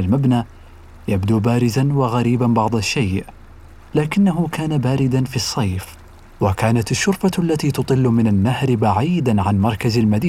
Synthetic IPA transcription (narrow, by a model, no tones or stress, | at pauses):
almabnaː | jabd̪uːbaːɾɪzanwaɣaɾiːbanbɑʕd̪ˤɑʃːajʔ | laːkɪnːaɦʊkaːnabaːɾɪd̪anfisˤːɑjf | wakaːnat̪ɪʃːʊɾfaʔalːat̪iːt̪ʊt̪ˤɨlːmɪnanːahɾbaʕiːd̪anʕanmɑɾˤkazalmad̪iː